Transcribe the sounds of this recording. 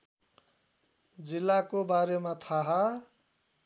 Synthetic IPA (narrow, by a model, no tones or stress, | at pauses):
d͡zilːakobaɾemat̪ʰaɦa